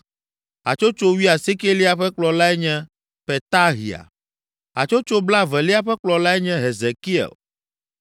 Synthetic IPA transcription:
a̰˨t͡ʃo˦t͡ʃo˦wi˦a˨si˦ke˦li˦a˨ɸɛ˦k͡plɔ˨la˦ɛ˦ɲɛ̃˦ | pɛ˨t̪a˦ɦḭ˨a̰˨ | a̰˨t͡ʃo˦t͡ʃo˦bla˦vɛ˨li˦a˦ɸɛ˦k͡plɔ˨la˦ɛ˦ɲɛ̃˦ɦe˨ze˨ki˦ɛ̰˨l

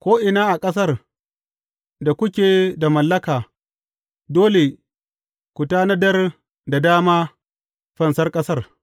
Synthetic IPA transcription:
kʷoː˦ʔɪ˨naː˦ʔa˨kʼɐ˦s̬ɐ˦r | da˨kʷʊ˦kʲeː˨da˨mɐ˨lːɐ˦kaː˨ | doː˦le˨ | kʷʊ˨taː˦nɐ˦dɐ˦r | da˨daː˦maː˦ | ɸɐ˨nsɐ˦rkʼɐ˦sɐ˦˨r

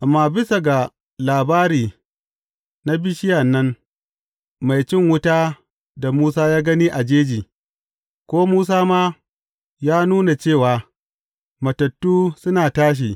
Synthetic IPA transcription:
ʔa˨mːaː˦bɪ˦sa˨ɡa˨ | laː˨baː˦ɾiː˨ | na˦bɪ˦ʃɪ˦ja˨nːɐ˦n | ma˨jt͡ʃɪ˦˨ŋwʊ˦ta˦ | da˨muː˦s̬aː˦jaː˦ɡɐ˦niː˦ʔa˨d͡ʒeː˦d͡ʒiː˨ | kʷoː˦muː˦s̬aː˦maː˦ | jaː˦nuː˦na˨t͡ʃeː˦˨waː˨ | mɐ˨tɐ˨tːuː˦sʊ˦naː˨taː˦ʃ̬i˨

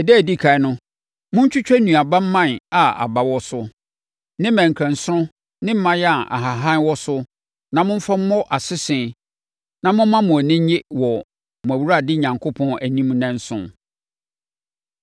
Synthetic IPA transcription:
ɛ˨dɛ˦˨di˦kʰa˨ɛ˦nʊ̃˦ | mʊ̃˦ɲ̩˦t͡ɕʰᶣʊ˦t͡ɕᶣæ˦nũ˨a˨ba˦m̩˦mã˦˨n˨a˨a̰˨ba˨wɔ˦sʊ˦ | nɪ̃˦mæ̃˨ŋ˨kʰɾæ̃˨n˨sʊ̃˦ | nɪ̃˦m̩˦mã˦jɛ˦a˨ʔa̰˨ɦa˨ɦã˦nwɔ˦sʊ˦ | nã˨mʊ̃˦m̩˦fa˦m̩˦mɔ̃˦ʔa˨sɪ˦sɪ̃˨ | nã˨mʊ̃˦mã˦mʊ̃˨æ˨nɪ̃˦ɲɪ˦wɔ˨ | mʊ̃˨æ˨wu˦ɾa˦˨dɪ˦˨ɲã˨ŋkʰo˦pʰɔ̃˦næ˨nĩ˦m̃˦nɛ̃˦n˦sʊ̰̃˦n

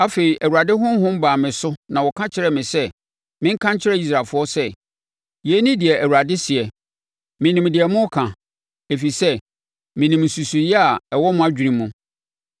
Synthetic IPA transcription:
a˦fe˨i˨ʔæ˨wu˨a˨dɪ˦ɦʊ̃˦m˦ɦʊ̃˦m̩˦baː˨mɪ̃˨sʊ˦nã˨wɔ˨kʰã˦t͡ɕʰɪ˦ɾɛ˦˨mɪ̃˨sɛ˦ | mɪ̃˦ŋ̩˦kʰã˦ɲ˦t͡ɕʰɪ˦ɾɛ˦i˦s̬ɾaː˨lfʊ˦ɔ˦sɛ˦˨ | je˨˦nĩ˦dɪ˨ɛ˨ʔæ˨wu˨ɾa˨dɪ˦sɪ˨ɛ˨ | mɪ̃˨nĩ˨mdɪ˨ɛ˨mʊ̃˦kʰã˨ | e˨fi˨sɛ˦ | mɪ̃˨nĩ˨mn̩˨su˨su˨jɛ˦a˨ɛ˨wɔ˦mʊ̃˦a˦d͡ʑᶣi˨ɾĩ˦mːũ˦

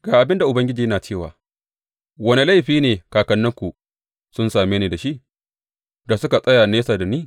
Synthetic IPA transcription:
ɡ̥aː˨ʔa˨bɪ˦nda˨ʔʊ˨bɐ˦ŋɡʲɪ˦d͡ʒiː˨jnaː˨t͡ʃeː˦˨wa̰ː˨ | wɐ˦ni˨˦la˦jɸiː˦neː˨kaː˨kɐ˨nːɐ˦ŋkʷu˨ | sʊ˦nsaː˨meː˦neː˨da˨ʃi˦ʔ | da˨sʊ˦ka˨sʼɐ˦jaː˨neː˦saː˨da˨niː˦˨

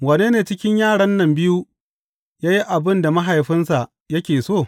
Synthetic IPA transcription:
wɐ˨ne˦neː˨t͡ʃɪ˦kʲɪ˦ɲjaː˦˨ɽɐ˦nːɐ˨mbɪ˦ju˦ | jaː˦ji˦ʔa˨bɪ˦nda˨ma˦ɦa˨jɸɪ˦nsa˨ʔ | jɐ˦kʲeː˨soː˦˨

